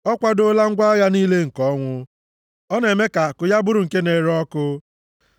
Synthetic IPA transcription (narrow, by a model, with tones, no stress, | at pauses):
ɔ˦kʷa˦do˦la˦ŋ̩˦ɡʷa˦ja˦niː˦le˦ŋ̩˨kɔ˦ŋʷʊ˦ | ɔ˦ne˨me˦ka˨kʊ˨ja˦bʊ˦ɾʊ˨ŋ̩˨ke˦ne˨ɾɔ˦kʊ˦